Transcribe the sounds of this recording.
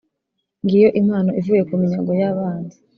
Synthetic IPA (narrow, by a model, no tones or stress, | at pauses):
ŋɡijo̞ʔimhaːno̞ʔivuːje̞kumiɲaɡojaβaːndi